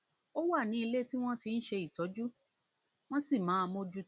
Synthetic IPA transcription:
o˦wa˦˨nĩ˨˦i˧le˦ti˦w̃ɔ̃˦ti˧n̩˦ʃe˧i˨tɔ˨˦d͡ʒu˦ | w̃ɔ̃˦si˦˨mãː˨˦˧mõ˦d͡ʒu˦

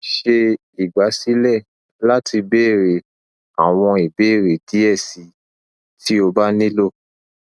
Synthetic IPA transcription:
ʃe˧ | i˨ɡ͡ba˨˦si˦lɛ˦˨ | la˦tʰi˧be˦˨ɾe˨ | a˨w̃ɔ̃˧i˨be˨˦˨ɾe˨di˨˦ɛ˦˨si˨˦ | ti˦o˧ba˦nĩ˦lo˦˨

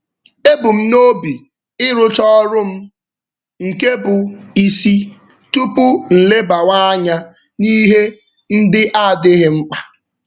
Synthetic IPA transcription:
e˦bʊ˨m̩˦no˦bi˨ | ɪ˦ɾʊ˦t͡ʃɔ˦ɾʊ˦m̩˦ | ŋ̩˨ke˦bʊ˨i˨si˦tu˦pʊ˦n̩˨le˦ba˨wa˦ɲa˦ | ni˦ɦe˦ | n̩˦dɪ˦ʔa˦˨dɪ˦ɦɪ˦ŋ͡m̩˦k͡pa˨

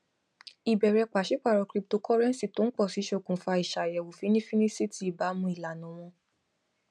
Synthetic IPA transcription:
i˨bɛ˨ɾɛ˧k͡pa˨ʃi˨˦k͡pa˦˨ɾɔ˨˧kɾi˧˦p̚to˨˧kɔ˦ɾɛ˦n˨si˨to˨˦n̩˦k͡pɔ˦˨si˨˦ʃe˦˨kũ˨fa˧i˨ʃa˨jɛ˨wo˨fi˨˦nĩ˦fi˦nĩ˦si˦ti˨˦i˨ba˨˦mũ˧˦i˨la˨nũ˨˦w̃ɔ̃˧

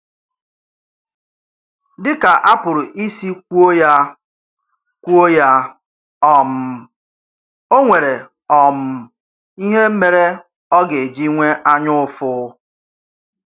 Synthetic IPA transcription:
dɪ˦ka˨ʔa˦pʊ˨ɾʊ˨ʔi˦si˦kʷu˦o˦ja˦ | kʷu˦o˦ja˦ | ɔ˨m̩˨ | o˦ŋʷe˨ɾe˨ | ɔ˨m̩˨ | i˦ɦe˦m̩˦me˨ɾe˦ | ɔ˦ɡe˨e˨d͡ʒi˦ŋʷe˦ʔa˦ɲʊ˦fʊ˦

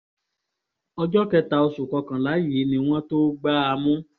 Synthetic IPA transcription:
ɔ˧d͡ʒɔ˦kɛ˧ta˧o˧su˨kɔ˧kã˨la˨˦ji˨˦nĩ˧w̃ɔ̃˦to˦ɡ͡ba˦a˧mũ˦

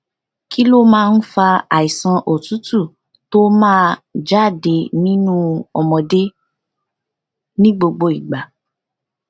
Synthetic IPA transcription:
ki˦lo˦mãː˦˧n̩˦fa˧a˨i˨sã˧ʔo˨tu˨˦tu˦˨ | to˦mãː˦˧d͡ʒa˦˨de˧nĩ˦nũ˦ɔ˧mɔ̃˨de˦ | nĩ˦ɡ͡bo˧ɡ͡bo˧i˨ɡ͡ba˨

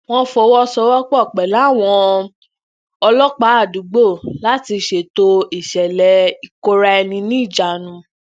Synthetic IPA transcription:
w̃ɔ̃˦fɔ˧wɔ˦sɔ˧wɔ˦k͡pɔ˦˨k͡pɛ˨la˨˦˨w̃ɔ̃˧ | ɔ˧lɔ˦k͡pa˨˦a˦˨du˨˦ɡ͡bo˦˨la˦ti˧ʃe˨to˧i˨ʃɛ˨lɛ˧i˨ko˧˦ɾa˧ɛ˧nĩ˧nĩ˦˨d͡ʒa˨nũ˧

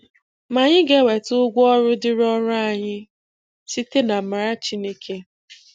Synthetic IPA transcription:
ma˨ɲɪ˦ɡe˦we˨tʊ˦ɡʷɔ˦ɾʊ˦dɪ˦ɾɔ˦ɾʊ˦a˨ɲɪ˦ | si˦te˦na˨ma˨ɾa˦t͡ʃi˦ne˦kʰe˦

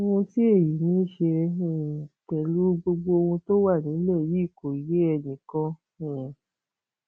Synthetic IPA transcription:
o˦˧ũ˧ti˦e˦˨ji˨nĩː˨˦ʃe˧˨ | k͡pɛ˨lu˨˦ɡ͡bo˧ɡ͡bo˧o˧hũ˧to˦wa˦˨nĩ˨˦lɛ˦˨ji˦˨ko˨i˨je˨˦ɛ˧nĩ˨kã˧˦˨

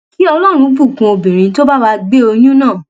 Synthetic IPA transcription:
ki˦ɔ˧lɔ˦˨ɾ̃ũ˧˦bu˦˨kũ˧o˧bĩ˨ɾ̃ĩ˨˦to˦ba˦wa˧ɡ͡be˦o˧jũ˦nãː˦˨

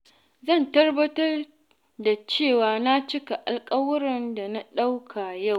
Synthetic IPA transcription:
zɐ˦˨ntɐ˦rbɐ˦tɐ˦r | da˨t͡ʃeː˦˨waː˨na˦t͡ʃɪ˦ka˨ʔa˨lkʼɐ˦wʊ˦ɾɪ˨nda˨na˦ɗa˦wkʰa˨ja˦˨w

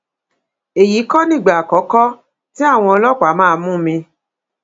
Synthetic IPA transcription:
e˨ji˨˦kɔ˦nĩ˦˨ɡ͡ba˨kɔ˨˦kɔ˦ | ti˦a˦˨w̃ɔ̃˧ɔ˧lɔ˦k͡pa˨˦mãː˦˧mũ˦mĩ˧

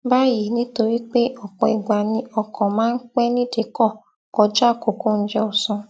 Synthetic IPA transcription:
ba˦ji˨nĩ˦to˧ɾi˦k͡pe˦ʔɔ˨k͡pɔ˧˨i˨ɡ͡ba˨nĩ˧ɔ˧kɔ̃˨mãː˦n̩˦k͡pɛ˦nĩ˦de˨kɔ˦˨ | kɔ˧d͡ʒa˦˨ko˨ku˦n̩˦d͡ʒɛ˧ɔ˨sɔ̃˧

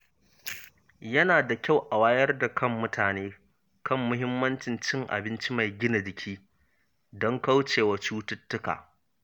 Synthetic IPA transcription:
jɐ˦naː˨da˨kʲa˦˨wʔa˨waː˦jɐ˦rda˨kʰɐ˦mːʊ˦tʰaː˨neː˦ | kɐ˦mːʊ˦ɦɪ˦mːɐ˦nt͡ʃɪ˨nt͡ʃɪ˦ŋʔa̰˨bɪ˦nt͡ʃi˦ma˨jɡʲɪ˦na˨dɪ˨kʲʰiː˦ | dɔ˦ŋka˦wt͡ʃeː˨wa˨t͡ʃuː˦tʊ˦tːʊ˦ka̰ː˨

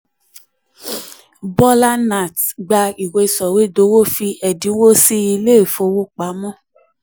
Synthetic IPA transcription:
bɔ˦la˦na˨tɡ͡ba˧i˨we˧sɔ˨we˦do˨˦wo˦fi˧ɛ˨dĩ˨˦wo˦si˦i˧le˦i˨fo˧˦wo˦k͡pa˨˦mɔ̃˦˨

